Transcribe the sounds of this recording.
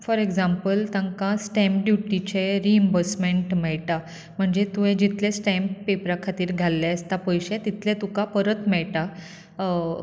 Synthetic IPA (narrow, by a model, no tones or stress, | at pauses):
fɔɾeɡd͡zampəlt̪ãŋkãsʈɛ̃mpɖjuʈit͡ɕeɾiembəsmeɳʈmɛɭʈa | m̤əɳd͡zet̪ũɦẽd͡ʑit̪lesʈɛmppepɾakʰat̪iːɾɡʱalːɛəst̪apəjɕet̪it̪lẽt̪ũkapəɾət̪mɛɭʈa